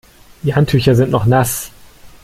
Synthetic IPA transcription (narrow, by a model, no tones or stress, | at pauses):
d̥iːhantʰyːçɐzɪntnɔχnas